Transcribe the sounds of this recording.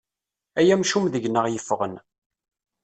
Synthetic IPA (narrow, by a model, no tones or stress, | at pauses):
æjæmʃumðəʝnəʁjəfːʁən